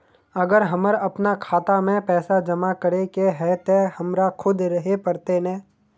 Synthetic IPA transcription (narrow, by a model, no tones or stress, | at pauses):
ɐɡəɾɦɐməɾɐpnakʰaːt̪amẽpɛːsad͡ʒɐmakəɾekeɦɛːt̪ehɐmɾakʰʊd̪ɾɐɦepɐɾt̪enɛ̃ː